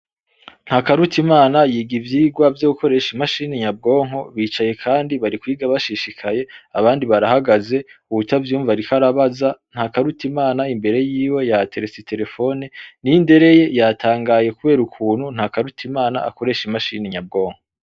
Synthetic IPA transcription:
nn̥hakaɾutʰimaːnajiːɡivjiːɡwavjoɡuko̞ɾe̞ːʃimaʃiːniɲab̚ɡo̞ːŋ̥o̞βiːt͡ʃaje̞kʰaːndiβaɾikwiːɡaβaʃiːʃikʰaje̞aβaːndiβaɾahaɡaze̞uβutavjuːɱvaɾikaɾaβazan̥hakaɾutʰimaːnaimbe̞ɾe̞jiːwe̞jatʰe̞ɾesitʰe̞ɾe̞fo̞neninde̞ɾe̞je̞jatʰaːŋɡaːje̞kuβe̞ːɾukʰuːnhun̥hakaɾutʰimaːna̰a̰ko̞ɾe̞ʃimaʃḭːniɲab̚ɡo̞ːŋ̥ho

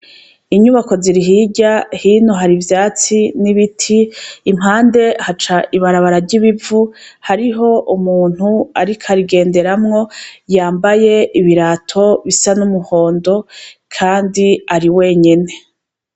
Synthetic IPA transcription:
iɲuβako̞ziɾiɦiɟahiːnoɦaɾivjaːt͡siniβitʰiːmhaːnde̞hat͡ʃaʔiβaɾaβaɾaɾɟiβivuhaɾiɦo̞ʔumuːn̥huaɾikʰaɾiɡe̞ːnde̞ɾamŋo̞jaːmbaje̞ʔiβiɾatʰo̞βisanumuho̞ːndo̞kʰaːndiaɾiwe̞ːɲe̞ne̞

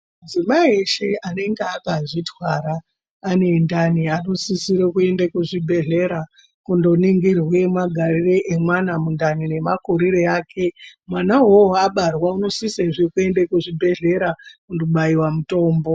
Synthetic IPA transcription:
md͡zimaieʃe̞ane̞ŋɡeakaʐitwaɾaː | nendaniano̞sisiɾekue̞ndekuʐibʱe̞ɮe̞ɾa | kundo̞niŋɡirwe̞maɡʱarireʔemwanamundanine̞makoɾiɾeaːkʰe̞mwanaɦooaɓarwauno̞siseʐekue̞ndekuʐibʱe̞ɮe̞ɾakundoɓaiwamuto̞ːmbo̞

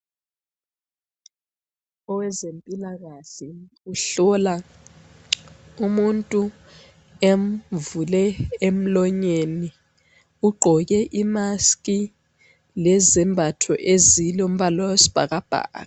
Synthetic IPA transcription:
ɔwɛzempʼilaɣ̬aɬi | uɬɔla | umuntʼu | em̩vulɛem̩lɔɲeni | uɡ͡ǃʱɔk̬ɛʔimaskʼi | lɛzɛmbʱatʰɔʔezilom̩βalwawesi̥b̥ʱa̰k̬ab̥ʱa̰ːka

